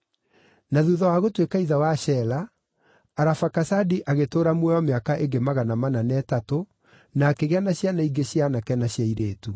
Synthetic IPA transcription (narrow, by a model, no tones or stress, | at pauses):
naðuðawaɣotwekaiðawaʃɛlaː | ɾafakasadiʔaɣetoːɾamwɛɔmeakaʔeŋɡemaɣanamananɛtato | nakeɣanaɕjanaiɡeɕjanakɛnaɕjaiɾeːtu